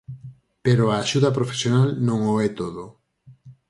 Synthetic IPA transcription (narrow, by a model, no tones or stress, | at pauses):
peɾoaːʃuðɐp̬ɾofe̥sjonalnõŋoɛt̪oðo